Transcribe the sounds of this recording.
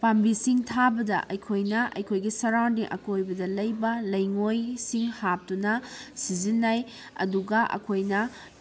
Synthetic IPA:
pambisiŋtʰabɐdɐ̰ʔɐjkʰojnɐʔɐ̰jkʰojɡisɐɾawdiʔɐkojbɐdɐlɐjbɐlɐjŋojsiŋhap̚tunɐsizinːaj | ɐ̰duɡɐʔɐ̰kʰojnɐ

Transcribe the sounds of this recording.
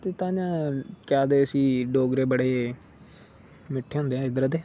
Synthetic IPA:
t̪eːt̪ãːd͡ʒãːkaːd̪eːəsiːɖoːɡɾeːbəɽeː | mɪʈʰːeːõːnd̪eːãːɪd̪əɾəd̪eː

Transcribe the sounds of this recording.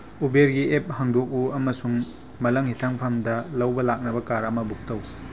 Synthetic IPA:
ubeɾɡiep̚haŋdok̚uɐmɐsuŋ | mɐlɐŋhitʰaŋpʰɐmdɐlɐwbɐlak̚nɐbɐkaɾɐmɐbuk̚tɐw

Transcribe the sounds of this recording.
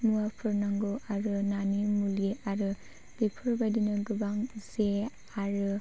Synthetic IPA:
muapʰɯɾnaŋɡoʔaɾɯnanimuleaɾɯ | dipʰɯɾbadinɯɡɯbaŋze | aɾɯ

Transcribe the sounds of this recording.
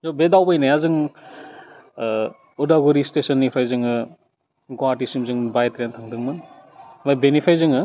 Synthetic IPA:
zɔbedawbajnajazɯŋ | udaɡuɾistesɐnːipʰajzɯŋɯ | ɡɔwatisimzɯŋbajtɾentʰaŋdɯŋmɯnmajbenipʰajzɯŋɯ

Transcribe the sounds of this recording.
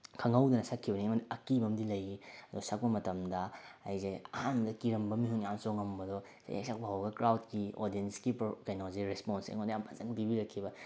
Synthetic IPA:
kʰɐŋɐwdɐnɐsakʰːibɐniɐmɐdiɐkibɐmdilɐjiɐdusak̚pɐmɐtɐmdɐɐ̰jzeɐhandɐkiɾɐmbɐmiɦunansoŋɐmbɐdɔ | sa̰ja̰ksak̚bɐɦawɡɐkɾawtkio̰ɾdienskipkɐjnozeɾesponsḛŋondɐjambʰɐzɐŋdibiɾɐkʰːibɐ

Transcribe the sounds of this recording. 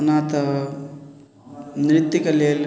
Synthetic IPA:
unaːt̪ɐ | nɾɪt̪ːikɐleːl

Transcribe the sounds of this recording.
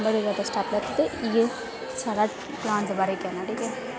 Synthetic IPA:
bəɽezaːd̪asʈaːplɛt̪t̪eje | saːɽa | plãːnʈd̪əbaːɾeikɛnaʈʰiːkɛ

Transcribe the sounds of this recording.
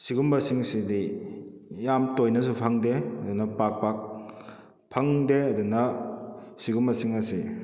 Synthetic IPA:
siɡumbɐsiŋsidi | jamtojnɐs̬upʰɐŋdeɐdunɐpak̚pak̚ | pʰɐŋdeɐdunɐ | siɡumbɐsiŋɐsi

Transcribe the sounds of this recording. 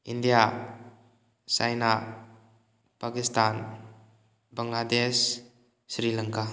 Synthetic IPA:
indija | sajna | pakistan | bɐŋladesː | ɾilaŋka

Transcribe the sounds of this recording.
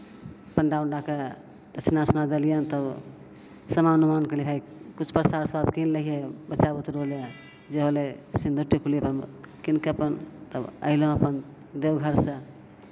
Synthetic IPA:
əpənɖaunɖake | d̪ət͡ʃʰnasunad̪elijənt̪əb | səmanumankəlipʰai | kut͡ʃʰpəɾsaɾswad̪kinləɦiebət͡ʃːabət̪ɾoljə | d͡ʒeɦolesind̪ʱuʈikʰulipəɾkinkəpənt̪əbə̰ɪlõəpən | d̪ewɡʱəɾsə̃

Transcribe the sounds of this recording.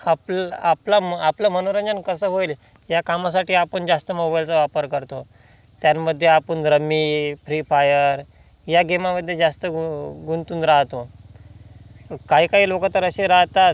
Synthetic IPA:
aplaplaapləmənoɾə̃nd͡ʑənkəsəːɦoil | jakamas̬aʈiːapəɳd͡zast̪əmobajlt͡saʋapəɾkəɾt̪o | t̪janməd̪ʱːjeapəɳɾəmiːfɾifajəɾ | jaɡemaməd̪ʱːjed͡zast̪əɡunt̪uːnɾaɦt̪o | kaɦiːkaɦiːlokat̪əɾəɕeɾaɦt̪at̪̚

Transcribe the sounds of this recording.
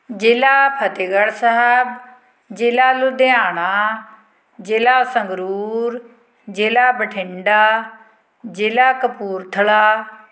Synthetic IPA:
d͡ʒɪːlaːpʰət̪ɪɡəɽsəɦɛb | d͡ʒɪːlaːlʊd̪eaːɳaː | d͡ʒeːlaːsəŋɡɾuuːɾ | d͡ʒeːlaːbəʈʰɪ̃ɳɖaː | d͡ʒeːlaːkəpuːɾt̪ʰəɭaː

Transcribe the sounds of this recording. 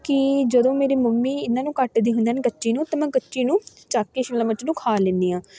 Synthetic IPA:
kɪd͡ʒəd̪õːmeːɾiːməmːiːɪnːãːnũːkəʈd̪iːɦʊ̃nd̪aːneːkət͡ʃːʃiːnũːt̪aːmɛ̃ːkət͡ʃːʃiːnũː | t͡ʃaːkːeːʃɪmlãːmət͡ʃːnũːkʰaːlẽːnd̪iːãː

